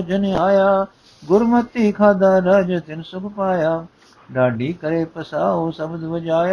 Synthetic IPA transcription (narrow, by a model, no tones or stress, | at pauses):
d͡ʒɐneaːjaː | ɡʊɾmɐt̪ːiːkʰaːd̪aːɾaːd͡ʒɐt̪ɪnɪsʊkʰpaːjaː | ɖaːɖiːkɐɾeːpɐsaːɦoːsɐbʊd̪ʋɐd͡ʒaːja